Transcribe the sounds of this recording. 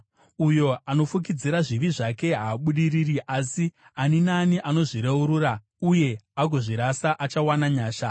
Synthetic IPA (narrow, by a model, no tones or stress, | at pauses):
ujo̞ano̞fuk̬id͡ziɾaʐiʋiʐake̞ɦaːɓuɗiririʔasi | aninaniʔano̞ʐiɾeuɾuːra | uje̞ak̬uʐiɾasaʔat͡ʃawanaɲaːʃa